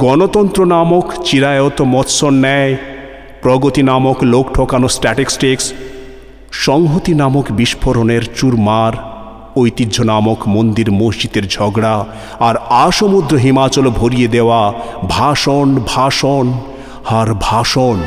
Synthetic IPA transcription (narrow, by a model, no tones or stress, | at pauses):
ɡɔnot̪ɔnt̪ɾonamokt͡ɕiɾajot̪omɔt̪sonːɛe | pɾɔɡot̪inamoklokʈʰokanosʈɛʈeksʈeks | ʃɔŋɦot̪inamokbiʃpʰoɾoneɾt͡ɕuɾmaɾ | ojt̪idʱonamokmond̪iɾmosd͡ʑit̪eɾd͡ʑʱɔɡɽa | aɾaʃomud̪ɾoɦimat͡ɕolbʱoɾijed̪eoabʱaʃonbʱaʃon | haɾbʱaʃon